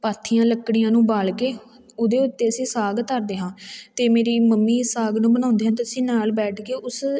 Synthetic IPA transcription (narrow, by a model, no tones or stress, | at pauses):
paːt̪ʰːijãːləkːɽijãːnũːbaːlkeː | ʊd̪eːʊt̪ːeːəsĩːsaːɡt̪əɾd̪eːɦãːt̪eːmeːɾiːməmːiːsaːɡnũːbənãːʊnd̪eːɦãːt̪ɪsĩːnaːlbɛːʈʰkeːʔʊs